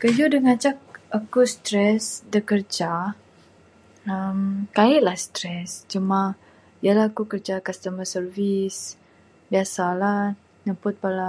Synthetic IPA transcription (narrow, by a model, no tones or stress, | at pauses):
kəjudəŋat͡ʃak̚akust̪ɾɛsdəkərd͡ʒa | əmkaɪʔlahst̪ɾɛst͡ʃumã | jalahakukərd͡ʒakast̪əmasərvis | biasala | nəmpʊt̪̚pala